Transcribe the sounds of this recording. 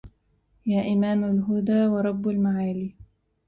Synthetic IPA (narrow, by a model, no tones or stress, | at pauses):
jaːʔɪmaːmalɦʊd̪aːwɑɾˤɑbːalmaʕaːliː